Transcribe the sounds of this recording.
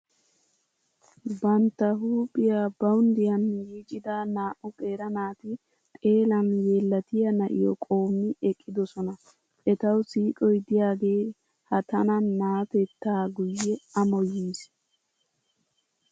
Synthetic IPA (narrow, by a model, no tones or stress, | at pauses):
bɐnt̪ːɐɦuːpʼːɪjaːbɐwʊnd̪ɪjɐnjiːt͡ʃʼɪd̪ɐnaːʔʊkʼe̞ːɾɐnaːt̪ɪ | t̪ʼe̞ːlɐnjeːlːɐt̪ɪjɐnɐʔɪ̰jɔkʼo̞ːmːɪɛkʼːɪd̪ɔsɔnɐ | ʔɛt̪ɐwsiːkʼɔjd̪ɪjaːɡe̞ː | hɐt̪ɐnɐnːaːt̪ɛt̪ːaːɡʊjːɛɐmɔjiːs